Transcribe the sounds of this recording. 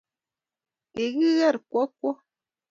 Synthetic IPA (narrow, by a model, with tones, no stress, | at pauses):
e˨ɣɯ˦ɣɛ˦˨ɾkwɔ˦kwɔ˦